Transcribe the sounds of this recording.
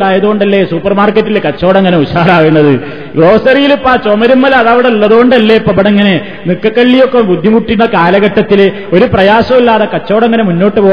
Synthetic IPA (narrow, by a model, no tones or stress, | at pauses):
ɽaːjɐðuɣoɳɖɐlːe̞suːpːɐrmaːrkːɐtːilkɐt͡ɕːo̞ːɽɐŋːɐneuɕaːɾaːɣiɳːɐðɨ | ɡro̞ːsɐrijilupːaːt͡ɕomɐɾumːɐlɐɐðɐʋiɽɐuɭːɐðuɣo̞ɳɖɐlːepːɐbɐɽeŋːɐne̞ | nikːɐkːɐɭːijo̞kːebud̪ʱːimuʈːinːɐkaːlɐɣɐʈːɐt̪ːil | o̞ɾuprɐjaːɕɐmilːaːðɐkɐt͡ɕːo̞ːɽɐŋːɐnemunːo̞ːʈːɨpoː